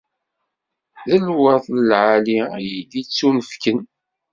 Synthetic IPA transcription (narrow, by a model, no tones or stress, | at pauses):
ðəlwəθˤləlʕaliæjəd̪it͡sːunəfkən